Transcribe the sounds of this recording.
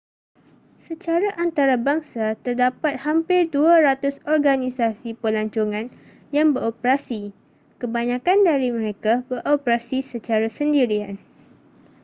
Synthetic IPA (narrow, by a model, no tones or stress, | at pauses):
sət͡ʃaɾaʔant̪aɾabaŋsat̪ərdapat̪̚hampɪrduaɾat̪ʊsɔrɡanisasipəlaɲt͡ʃuŋãn | jaŋbəɾopɾasi | kəbaɲãkandaɾimə̃ɾekabəɾʔopɾasisət͡ʃaɾasəndiɾian